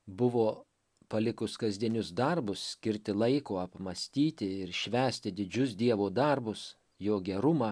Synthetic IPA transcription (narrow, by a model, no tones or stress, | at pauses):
bʊʋoː | pɐlʲɪkʊskɐzʲd̪ʲiɛnʲʊsd̪ɐɾbʊssʲkʲɪɾʲt̪ʲɪlˠɐɪkoːɐpmɐsʲt̪ʲiːt̪ʲɪɪɾʃʲʋʲæːsʲt̪ʲɪd̪ʲɪd͡ʒʲʊsd̪ʲiɛʋoːd̪ɐɾbʊs | joːɡʲɛɾʊmɑː